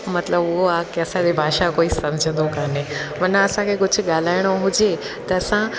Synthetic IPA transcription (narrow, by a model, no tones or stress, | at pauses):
mɐt̪ləbʊɦoaːkeɐsãd͡ʑebʱaːʃakoːisɐ̃md͡ʑʱə̃nd̪okaːneʋɐnãɐsãkʰekʊd͡ʑʱʊ̆ɠaːl̤aːɪɽ̃oɦʊd͡ʑe | t̪ɐɐsã